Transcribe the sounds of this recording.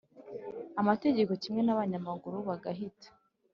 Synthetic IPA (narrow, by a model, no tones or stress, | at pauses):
amate̞ɟe̞ko̞cimŋe̞naβaɲamaɡuɾuβaɡaɦitḁ